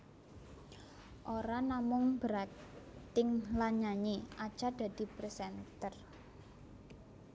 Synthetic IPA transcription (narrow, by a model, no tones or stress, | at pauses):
ʔoɾanamʊŋbəɾat̪ɪŋlaɲaɲeʔḁt͡ʃad̪̥a̤d̪̥i̤pɾesɛnt̪ər